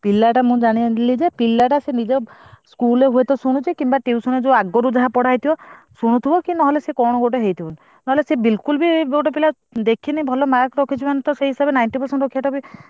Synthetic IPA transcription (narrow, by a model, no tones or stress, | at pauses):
pilːaʈamũd͡ʒaɽ̃ilid͡ʒepilːaʈasenid͡ʒɔskuleɦuet̪ɔsuɽ̃ũt͡ʃʰikimbaʈiusuned͡ʒẽaɡɔɾud͡ʒaɦapɔɽ̤ajt̪ʰibɔ | suɽ̃ũt̪ʰibɔkinɔɦɔlesekɔɽ̃ɔɡoʈ̬eɦejt̪ʰibɔn | nɔɦɔlesebilkulbiboʈɔpila | d̪ekʰinibʱɔlɔmakɾɔkʰit͡ʃʰibanɔt̪ɔseɦisabenajnʈipɔɾseɳʈɔɾokʰijaʈɔbi